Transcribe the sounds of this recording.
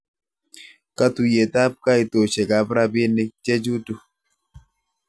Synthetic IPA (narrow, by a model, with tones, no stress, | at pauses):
ka˦t̪u˨je˨t̪a˦p̚ka˦i˨t̪o˨t͡ʃe˨ɡa˨bɾa˦bɪ˦nɪ˦t͡ʃe˦d͡ʒu˦tu˦